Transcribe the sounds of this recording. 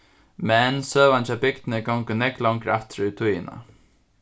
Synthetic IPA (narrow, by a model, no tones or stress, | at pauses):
mɛnsøːʋant͡ʃabɪk̚t̪nɪɡɔwŋkʊnɛklaŋkɾaft̪ɾɪt̪ʰujɪna̰